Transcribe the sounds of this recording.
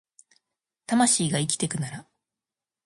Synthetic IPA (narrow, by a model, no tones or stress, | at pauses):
t̪amaɕiːɡaikʲi̥t̪e̞kɯ̟naɾa